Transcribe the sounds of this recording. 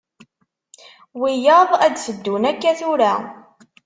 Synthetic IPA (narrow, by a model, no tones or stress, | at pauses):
wijəðˤæd̪səd̪ːunækːæθʊɾæ